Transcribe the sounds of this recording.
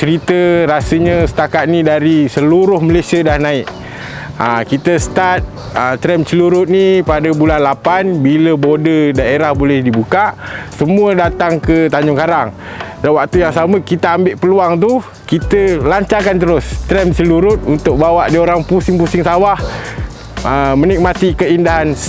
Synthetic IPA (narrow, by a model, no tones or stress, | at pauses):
t͡ʃəɾit̪əɾasəɲəsə̥t̪akat̪̚nidaɾisəluɾʊhməlesiadahnãɪʔ | əkit̪əsət̪at̪̚ | ət̪ɾɛmt͡ʃəluɾʊt̪̚nipadabulanlapanbiləbodədaeɾahbolɛhdibukaʔsəmũədat̪aŋkət̪aɲd͡ʒʊŋkaɾaŋ | dawak̚t̪ujaŋsaməkit̪aambeʔpəluaŋt̪u | kit̪əlaɲt͡ʃakant̪əɾʊst̪ɾɛmt͡ʃəluɾʊt̪̚unt̪ʊk̚bawaʔdioɾaŋpusɪŋpusɪŋsawah | əmə̃nik̚mat̪ikəindaɦans